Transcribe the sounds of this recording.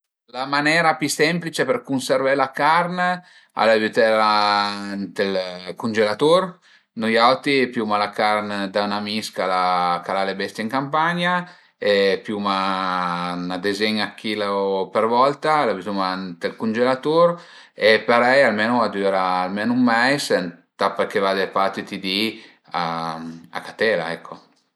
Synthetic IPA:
lamanɛɾapisɛmplit͡ʃeperkunseɾvɛlakaɾn | a̰lavyt̪eɾant̪elkund͡ʒelat̪oɾ | nujawt̪ipjumalakarnd̪aunamiskalakalalebɛst̪jeiŋkampaɲa | epjuma | nad̪ezɛɲakʰːilapeɾvɔlt̪alavit̪umant̪elkunʲd͡ʒelat̪oɾ | epaɾɛjalmenuad̪yɾaːlmenumːɛjsnt̪apeɾkevad̪epat̪it̪id̪i | a | a̰kat̪ɛla̰ɛkʰːo

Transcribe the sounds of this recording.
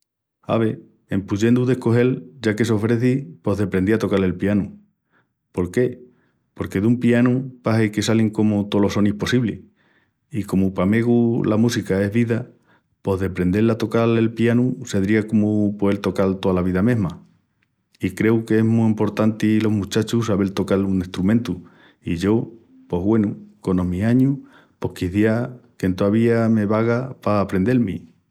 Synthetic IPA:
a̰βe̞ | empuʝe̞nd̪uðe̞hko̞ɦe̞lʝakeso̞βɾe̞θipo̞ɦðe̞pɾe̞nd̪iat̪o̞kale̞lpianu | po̞ɾke̞ | po̞ɾke̞ðumpianupaseke̞saliŋko̞mot̪o̞lo̞so̞nihpo̞siβle | ikomupame̞ɣulamusikae̞ɦβiða | po̞ɦðe̞pɾe̞nd̪e̞lat̪o̞kale̞lpianuse̞ðɾiakomupoelt̪o̞kalt̪o̞alaβiðamẽ̞ɦma | ikɾe̞ukeeɦmuimpo̞ɾt̪ant̪ilo̞ɦmũt͡ʃat͡ʃusaβe̞lt̪o̞kaluŋest̪ɾumẽnt̪u | iʝo̞ | po̞ɦβwe̞nuko̞no̞miaɲu | po̞hkiθjiake̞nt̪oaβiame̞βaɣapaːpɾe̞nd̪e̞lmi

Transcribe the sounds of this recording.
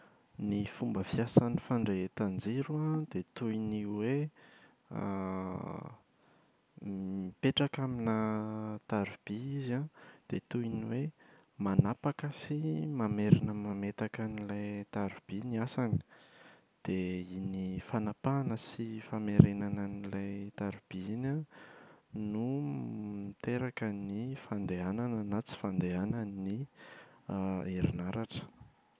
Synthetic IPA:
nifumbəfijasanifaɳɖ͡ʐeet̪and͡zeɾuãd̪et̪uiniwe | a̰ | mipeʈ͡ʂakaminət̪aɾub̥iizãd̪̥et̪uiniwe | manapakəsimameɾinəmamet̪akanilajt̪aɾub̥iniasanə̥ | d̪̥einifanapanəsifameɾenanənilajt̪aɾub̥iinə | numit̪eɾakənifand̪eananənat͡si̥fand̪eanəni | eɾinaɾaʈ͡ʂə̥

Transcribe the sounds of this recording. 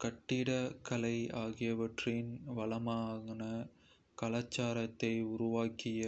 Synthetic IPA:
kɐʈːɪɽɐkɐlɐɪaːɣɪjɐʋɐʈrɪnʋɐlɐmaːɣɪnɐ | kɐlaːt͡ʃːaːɾɐt̪ːɐɪʊɾʊʋaːkɪjɐ

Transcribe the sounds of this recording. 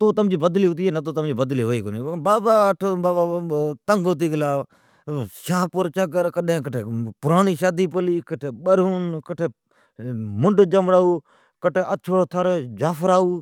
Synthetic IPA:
t̪oːt̪əmd͡ʒiːbəd̪liːʊt̪iːenət̪̬oːt̪əmd͡ʒiːbəd̪liːɦoːiːkonibaːbaːʈʰːbaːbat̪əŋɡʊt̪̬iːɡlaː | ʃaːpʊɾt͡ʃək̬əɾkəɗẽːkəʈʰeːpʊɾaːniːʃaːd̪iːpəliːkəʈʰeːɓəɾuːnkəʈʰeː | mʊɳɖd͡ʒəmɽaːuː | kəʈʰeːʔət͡ʃʰoːt̪ʰəɾd͡ʒaːfəɾaːuː

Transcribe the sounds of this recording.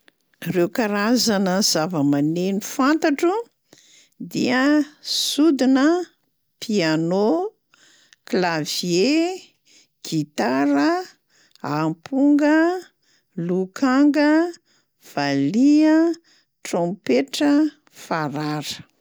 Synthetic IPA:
rewkaɾazanəz̥avəmanenifant̪aʈ͡ʂu | d̪iəsud̪inə | piano | klavje | ɡ̥it̪aɾə | ampuŋɡə | lukʰaŋɡə | v̥aliə | trõmpeʈ͡ʂə | faɾaɾə̥

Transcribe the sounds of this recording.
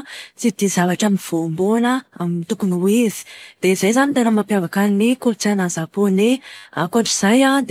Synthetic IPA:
t͡sid̪̥izavaʈ͡ʂamiv̥ombonəamint̪ukuniwizi̥d̪̥eizajzanit̪aɾamampjavakaninikot͡sanazaponeakaɳʈ͡ʂiz̥ajad̪

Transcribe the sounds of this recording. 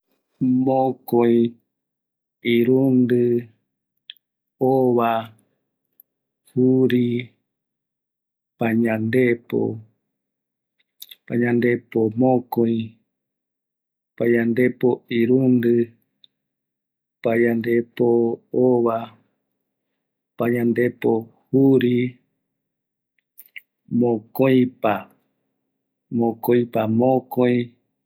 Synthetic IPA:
mõkoj̃ | iɾund̪ɨ | oβa | huɾi | paɲãnd̪epo̰ | pãɲãnd̪e̞pomõkõĩ | paɲãnd̪e̞poiɾund̪ɨ | pajãnd̪e̞pooβa | paɲãnd̪e̞po̞huɾi | mõkoj̃pa | mõkõj̃pamõkoj̃

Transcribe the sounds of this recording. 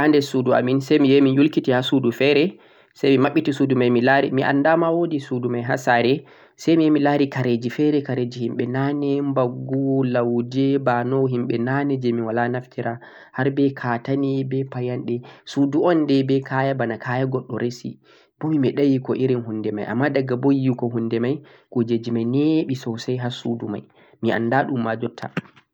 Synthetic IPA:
ʔandɛsudua̰minsɛjmijɛminjulkitihasudufɛɾɛ | sajmimaɓːitisudumajmilaɾḭmiʔa̰ndamawodisudumajɦasaɾɛ | sajmijɛmilaɾikaɾed͡ʒifɛɾɛkaɾed͡ʒihimɓɛnanɛmbaɡuwɔlawd͡ʒɛbanɔɦimɓɛnanɛd͡ʒɛminwalanaftiɾa | haɾbɛkʰatanibɛpajanɗɛsuduɔndɛbɛkʰajabanakʰajaɡɔɗːɔɾesḭ | b̥ɔmimɛɗajikɔʔiɾinɦundɛma̰jʔa̰mːadaɡabojikɔɦundɛmaj | kod͡ʒed͡ʒimajnɛɓisɔsajɦasuduma̰j | mia̰ndaɗumːad͡ʒɔtʰːa̰

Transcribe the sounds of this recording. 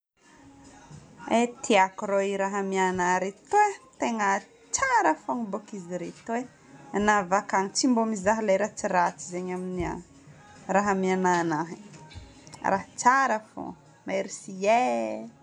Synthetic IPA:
et̪ʰiakɾoiɾaɦəmianaɾet̪wet̪eŋə | t͡ʃaɾəfoŋibokiziɾet̪e | anavakaŋit͡ʃimbomizaɦlajɾat͡siɾat͡sizeɲaminia̰ | raɦəmiananaɦi | ra̰ɦt͡saɾəfo̰ | maeɾisie

